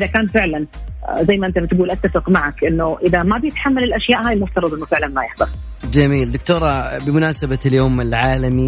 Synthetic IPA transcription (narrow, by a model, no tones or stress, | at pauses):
ʔðakaːnfɪʕlanzajːmaʔɪnt̪amt̪ɡuːlʔat̪ːafɪqmaʕakʔɪnːʊʔɪðamabjɪt̪ħamːalɪlʔaʃjaːʔhaːjɪlmʊft̪ɑɾˤɑd̪ˤʔɪnːʊfɪʕlanmajɪħd̪ɑf | d͡ʒamiːld̪ʊk̚t̪oːɾˤɑbɪmʊnaːsabaljoːmɪlʕaːlami